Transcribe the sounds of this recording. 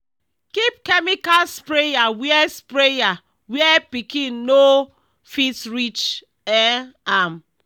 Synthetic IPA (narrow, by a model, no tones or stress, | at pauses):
kip̚kemikalspɾejawiɛspɾeja | wiɛpikinno | fitɾit͡ʃ | ɛam̩